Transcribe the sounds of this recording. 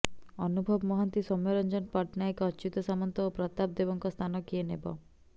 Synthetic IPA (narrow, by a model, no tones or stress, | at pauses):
ɔnubʱɔbmɔɦant̪isɔmːeɾɔnd͡ʒɔnpaʈnajkɔt͡ʃut̪ɔsamɔnt̪ɔopɾɔt̪ab̚d̪eβɔŋkɔst̪ʰanɔkienebɔ̰